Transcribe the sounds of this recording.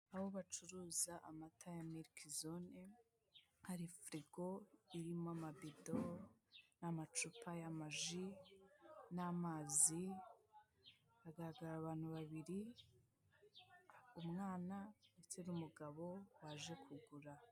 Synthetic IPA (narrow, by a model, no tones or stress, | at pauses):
aβo̞βat͡ʃuɾuzaʔamatʰajamiɾkʰizone | haɾifɾiɡoiɾimoamabido | namat͡ʃupʰajamaʒi | namaːzi | βaɡaɾaɡaɾaːβaːn̥huβaβiɾi | umŋaːnanet͡senumuɡaβo̞waʒe̞kʰuɡuɾa